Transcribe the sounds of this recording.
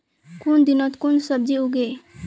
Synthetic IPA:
kund̪inɔt̪kunsəb̚d͡ʒiuɡe

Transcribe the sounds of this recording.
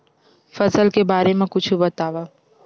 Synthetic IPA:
fɐzəlkebaːɾemẽkʊt͡ʃʰubɐt̪aːʋaː

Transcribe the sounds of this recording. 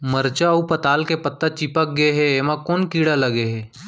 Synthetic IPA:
məɾt͡ʃaupɐt̪aːlkepət̪ːat͡ʃipək̚ɡɐeɦɛeːmãkoːnkiːɽalɐɡeɦɛː

